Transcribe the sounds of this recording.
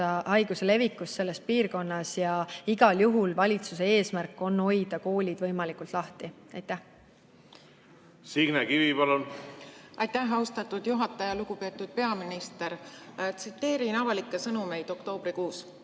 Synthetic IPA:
ɑɑjɡ̥usele̞vikːˑust̪ːe̞lːe̞spiːrko̞nːɑsjɑiɡɑljuɦulvɑlʲit̪susee̞ːsmærkːˑo̞nːo̞jd̪̥ɑko̞ːlʲid̪̥vɤ̞jmɑlikˑult̪ˑlɑht̪i | ɑjt̪ːˑæh | siɡ̥nekivipɑlun | ɑjt̪æɦɑwst̪ɑt̪ːˑud̪̥juɦɑt̪ːˑɑjɑluɡ̥upe̞ːt̪ːˑud̪̥̚pe̞ɑminist̪eɾt̪sit̪ːˑe̞ːɾinɑvɑlikːˑesɤnume̞jd̪̥o̞kt̪o̞ːb̥ɾikuːs

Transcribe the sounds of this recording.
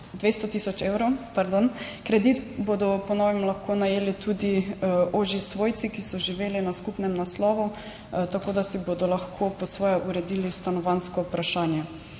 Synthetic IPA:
d̪ʋest̪ɔt̪isɔt͡ʃewɾopaɾd̪ɔn | kɾɛd̪it̪bod̪ɔpɔnɔːʋɛmlaxkʰonajeːlit̪ʰud̪ioːʒisʋoːjt̪sikisɔʒiʋeːlinaskupnɛmnaslɔːʋu | t̪akoːd̪asibod̪ɔlaxkʰopɔsʋɔːjɛʔuɾɛd̪iːlist̪anɔʋanskɔupɾaʃaːnjɛ

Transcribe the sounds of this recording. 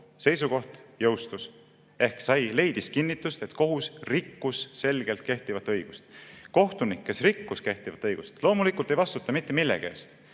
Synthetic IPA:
se̞jsuko̞ht̪jɤ̞wst̪us | e̞hksɑjle̞jd̪̥iskinːit̪ːˑust̪e̞t̪ko̞ɦusrikːusːe̞lɡ̥e̞lt̪̚ke̞ht̪ivɑt̪ːˑɤ̞jɡ̥ust̪ko̞ht̪unikːesrikːuske̞ht̪ivɑt̪ːˑɤjɡ̥ust̪lo̞ːmulikːˑult̪ːˑe̞jvɑst̪ut̪ːˑɑmit̪ˑːemilːḛɡ̥eḛːst̪

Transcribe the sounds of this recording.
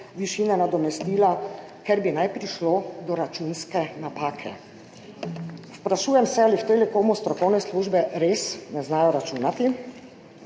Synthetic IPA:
ʋiʃiːnɛnad̪ɔmɛst̪iːlakɛɾbinajpɾiʃlod̪ɔɾat͡ʃunskɛnapaːkʰɛ̰ | spɾaʃuːjɛmsɛaliwt̪ɛlɛkoːwmust̪ɾɔkɔwnɛsluːʒbɛɾesnɛznaːjɔɾat͡ʃuːnat̪i

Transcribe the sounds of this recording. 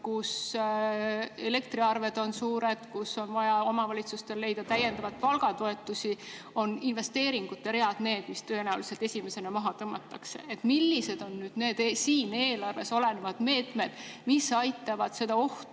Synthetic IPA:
kus | e̞le̞kt̪ɾiɑrve̞d̪̥o̞nsuːɾed̪̥kuso̞nvɑjɑo̞mɑvɑlʲit̪sust̪e̞lːe̞jd̪̥ɑt̪æje̞nd̪ɑvɑt̪̚pɑlɡ̥ɑt̪o̞e̞t̪ːˑusʲi | o̞ninve̞st̪e̞ːɾiŋɡ̥ut̪ːˑeɾe̞ɑd̪̥ne̞ːd̪̥mist̪øenæwlise̞lt̪esʲime̞se̞nɑmɑɦɑt̪ɤmːɑt̪ːˑɑkse̞̰et̪ːmilːise̞d̪̥o̞nːyːd̪̥ne̞ːd̪esiːne̞ːlɑrve̞so̞le̞nevɑd̪̥me̞ːt̪me̞d̪̥misɑjt̪ːˑɑvɑd̪̥se̞d̪ɑo̞ht̪

